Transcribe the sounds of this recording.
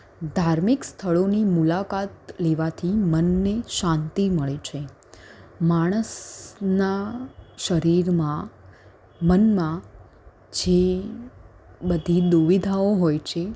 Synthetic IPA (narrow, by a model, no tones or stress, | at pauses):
d̪ʱaɾmikst̪ʰəɭonimulakat̪leʋat̪ʰimənːeʃãnt̪iməɭet͡ʃʰe | maɽ̃əsnaʃəɾiɾmã | mənmã | d͡ʒe | bəd̪ʱid̪uʋid̪ʱaoɦojt͡ʃʰe